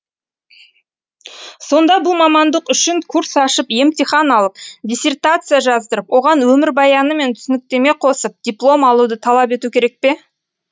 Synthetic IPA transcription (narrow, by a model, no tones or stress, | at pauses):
so̞nd̪ɑbʊlˠmɑmɑnd̪əqʏʃɪŋkʰuɾsɑʃəpje̞mt̪ijχɑnɑlˠəp̚d̪ʲijsʲe̞rt̪at̪sɨjaʒɑzd̪əɾəpwʔo̞ʁɑnwɵmɪɾbɑjɑnəme̞nt̪ʰʏ̥sɪnɪk̚t̪e̞me̞qʰo̞səp̚d̪̥ʲijplˠo̞mɑlˠud̪ət̪ʰɑlˠɑpe̞t̪ukʲʰe̞ɾe̞k̚pe̞